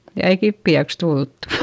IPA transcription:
jɑ ei kipːiæks tultːu̥

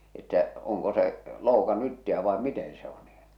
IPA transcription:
etːæ oŋko se loukɑnːu itːiæ ʋɑe miten se o niː

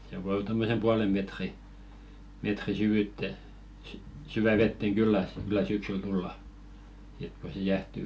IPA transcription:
se ʋoi tomːose puɑlem metri metri syʋyˑtːe s syʋæ ʋetːeŋ ɡ̊ylːæ kylˑæ syksyl tulːɑ sit ko se jæhty

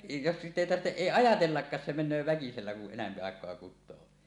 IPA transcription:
jos sitˑ eˑi tɑrtːeʔ ʔeˑi ɑjɑtelːɑkːɑːs se menˑøː ʋækiselːæ kuʔ ʔenæmpi ɑˑekˑoɑ kutˑoː

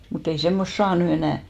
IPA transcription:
mut ei semːost sɑː ny enæˑ

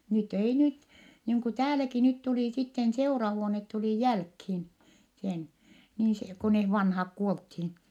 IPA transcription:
nyt ei nyt niːŋ ku tæːlæki nyt tuliˑ sitːen seurɑhuonet tuliˑ jælkhin sen niːn se ko neh ʋɑnhɑk kuolthin

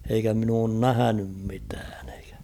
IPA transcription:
eikæ min oːn næhænym mitæːn e̥i̥kæ̥

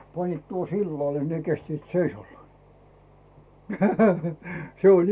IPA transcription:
pɑnːiːt tuohŏ silːɑle ne kestiːt seisɑlːɑː se olʲ

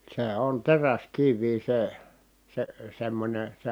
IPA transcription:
seˑ on teræskiʋˑiː se se semːonʲe se

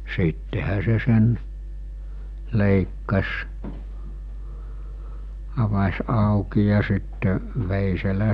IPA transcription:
siːtːehæ se sen leˑikːɑs ɑʋɑsʲ ɑˑuki jɑ sitːe ʋeˑiselæ

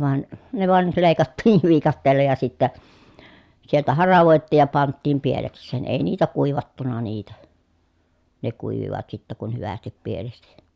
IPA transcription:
ʋɑˑen ne ʋɑˑel leˑi̯kɑtːiːʋ ʋiːkɑtːeːlːɑ jɑ sitːæ sieltæ hɑrɑʋoˑetːiːj jɑ pɑntːiːm pieleksˑeːn eˑi niːtæ kuˑiʋɑtːunɑ niːtæ ne kuˑiʋiʋɑt sitːæ kun hyʋæstip pielesti

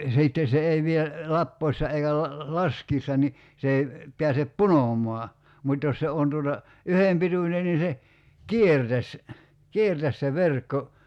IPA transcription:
siˑtːe se ei ʋie lɑpːoisːɑ eikæ lɑ lɑskiːsːɑ ni se ei piæsep punomˑɔɑ mutʲ jos se on tuotɑ yhem pitunʲen ni se kiertæs kiertæs se ʋerkːo

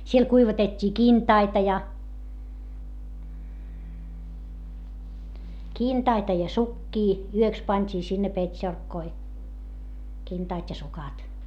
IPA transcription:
siel kuiʋɑtetʲːiː kintɑitɑ jɑ kintɑitɑ jɑ sukːiː yøks pɑnʲtʲiː sinːe petʲʃorkːoi kintɑːtʲ jɑ sukɑt

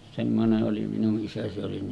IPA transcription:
semːoneʔ ʔoli minuʔ ʔisæ se oli

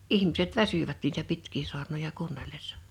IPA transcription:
ihmiset ʋæsyʋæt niːtæ pitkˑiː su̞ɑrnojɑ kuːnːelːesːɑ̥

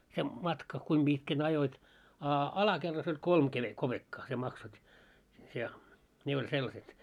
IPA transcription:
se mɑtkɑ kuim b̥itkæn ɑjoit ɑ ɑlɑkerːɑsː olʲ kolm keb̥e kob̥ekːɑː sʲie mɑksotʲ jɑ ne olʲ selːɑset

